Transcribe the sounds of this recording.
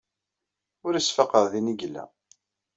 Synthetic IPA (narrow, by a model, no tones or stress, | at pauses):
ʊɾəsfɑqəɾðiniɡlːæ̰